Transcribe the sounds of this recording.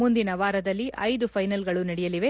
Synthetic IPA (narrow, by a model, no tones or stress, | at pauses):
mund̪inɐʋaːɾɐd̪ɐlːiʔɐjd̪upʰɐjnɐlɡɐɭunɐɽɛjɐliʋe̞